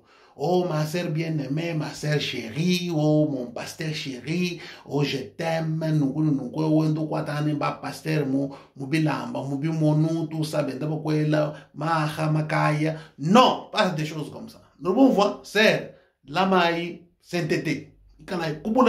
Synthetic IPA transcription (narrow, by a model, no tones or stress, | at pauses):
omasɛɾbjɛnɛmɛmasɛɾʃeɾiomɔmpastɛɾʃeɾioʒɛtɛmɛnukinunukwewend̪ukwatanɛmbapastɛɾmu | mubila̰mbamubimɔnutusabɛndabakwɛlamahamakajanɔpasadeʃozkɔm̩sa̰nulbuvwasɛɾ | lamaji | sɛntete | ikalaikubul